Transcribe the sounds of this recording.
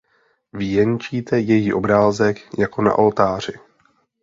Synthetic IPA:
vijɛɲt͡ʃiːt̪ɛjɛjiːʔo̞bɾaːzɛkjako̞na̰ʔolt̪aːr̝ɪ

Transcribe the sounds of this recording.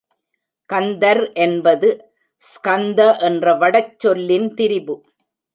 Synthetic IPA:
kɐnd̪ɐɾʔɛnbɐðɯ | skɐnd̪ɐʔɛndrɐʋɐɽɐt͡ʃːɔlːɪnt̪ɪɾɪbɯ

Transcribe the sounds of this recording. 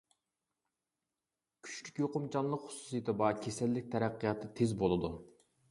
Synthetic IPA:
kʲʰy̥ʃlykʲjoqʊmt͡ʃɑnlˠəqχʊ̥su̥sɨjt̪ʰɨbɑkʲʰesɛlːɪk̚ʲt̪ʰɛɾæqːijɑt̪ʰːɨt̪ʰezbolˠɨd̪u

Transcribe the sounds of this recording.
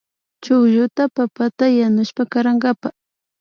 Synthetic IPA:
t͡ʃʊkʎʊt̪apapat̪ajanʊʃpakaɾaŋɡapa

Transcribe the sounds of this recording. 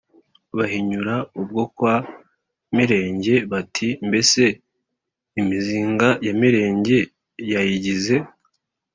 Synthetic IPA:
βahiɲuɾaub̚ɡo̞kwa | miɾe̞ːɲɟe̞βatʰimbe̞se̞ | imiziːŋɡajamiɾe̞ːɲɟe̞ | jajiɟize̞

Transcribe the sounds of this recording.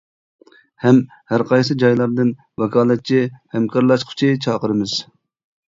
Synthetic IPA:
hɛm | hæɾqʰɑjsɨd͡ʒɑjlˠɑɾd̪ɨn | wɛkʰɑːlˠɛt̪̚t͡ʃʰihɛmkʰɑɾlˠɑʃqʰʊ̥t͡ʃʰit͡ʃʰɑːqəɾɨmɨz̥

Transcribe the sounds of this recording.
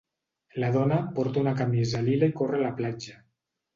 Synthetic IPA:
laðonapoɾt̪aunakamiz̬alilaikorelaplad͡ʒa

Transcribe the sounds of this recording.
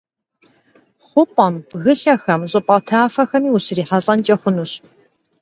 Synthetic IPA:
χʷʊpʼɐmbɣɨɬɐxɐmɕʼɨpʼɐtʰaːfɐxɐmiːuɕɪriːħaɕʼɐnt͡ʃʼɐχʷʊnuɕ

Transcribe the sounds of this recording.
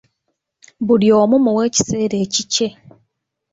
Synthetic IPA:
buljoːmumuweːci̥seːɾeːcice

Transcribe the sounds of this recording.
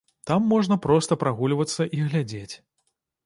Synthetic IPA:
t̪amːɔʐnɐpɾɔst̪ɐpɾaɣulʲvɐt̪sːɐʔiɣlʲad͡zʲet͡sʲ

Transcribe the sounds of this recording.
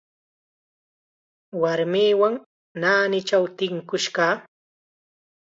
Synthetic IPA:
waɾmiːwaŋ | naːnɪt͡ʃawt̪ɪŋkʊʃkɑː

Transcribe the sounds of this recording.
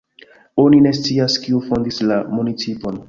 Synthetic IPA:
o̞nine̞s̬t͡siaskiufo̞ndislamunit͡sipo̞n

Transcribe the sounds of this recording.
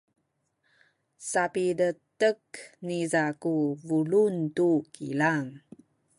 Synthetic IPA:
sapidətəknizakuvuluntukilaŋ

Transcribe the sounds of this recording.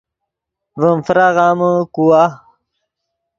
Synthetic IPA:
vəmfɾaʁaːməkuwa

